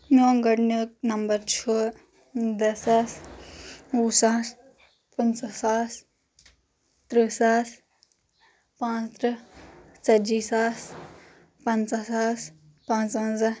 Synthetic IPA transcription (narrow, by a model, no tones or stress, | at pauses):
noːŋɡɐɽnək̚nɐmbɐɾt͡ʃʰuː | d̪ɐsɐs | usaːs | pənt͡sɐsaːs | t̪ɾisaːs | pãːt͡st̪ɾɨ | t͡sɐd͡ʒiːsaːs | pɐnt͡sɐsaːs | pãːt͡sãnzɐ